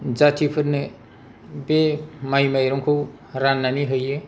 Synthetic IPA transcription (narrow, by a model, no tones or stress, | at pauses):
zatʰipʰɯɾnɯ | bemajmajɾɔŋkʰɯw | ɾanːaniɦɯjɯ